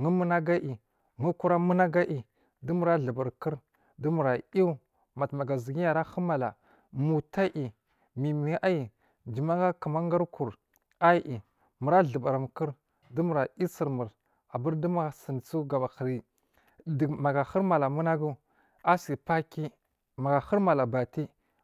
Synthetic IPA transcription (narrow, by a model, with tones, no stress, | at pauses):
ŋu˦mu˦na˦ɡa˦ʔi˨ | ŋu˦ku˦ɾa˦mu˦na˦ɡa˦ʔi˨ | du˦mu˨ɾa˦ɮə˨ba˨ɾkə˦ɾ | du˦mu˨ɾa˨i˦ | ma˨tma˨ɡa˨zi˨ɡi˦ja˨ɾa˦xə˦ma˨la̰˨ | mu˨ta˦ʔi˨ | mi˨mi˨ʔa˦ji˨ | d͡ʒi˨ma˦ŋa˦kə˨ma˦ŋɡa˦ɾku˨ɾ | a˦ʔi˨ | mu˨ɾa˦ɮə˨ba˨ɾa˨m˨kə˦ɾ | du˦mu˨ɾa˨i˦si˨ɾmu˨ɾ | a˨bu˦ɾdu˦ma˦˨si˨nt͡su˦ɡa˨ma˨xɾi˦ | dma˨ɡa˨xə˦ɾma˨la˨mu˦na˦ɡu˦ | a˦si˨pa˦ki˦ | ma˨ɡa˨xu˦ɾma˨la˨ba˨ti˦